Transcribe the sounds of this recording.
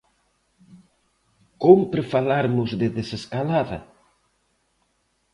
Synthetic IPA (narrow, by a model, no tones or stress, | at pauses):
kompɾefalaɾmʊzðɪðeseskalaðɐ̰